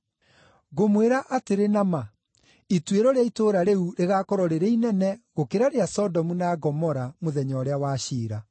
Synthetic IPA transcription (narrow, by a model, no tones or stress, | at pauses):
ɣomweɾaʔateɾenama | itweɾɔɾeaitoːɾaɾeuɾeɣakɔɾɔɾeɾeinɛnɛɣokeɾaɾeasɔdɔmunaɡɔmɔɾamoðɛɲɔɾeawaːɕiːɾa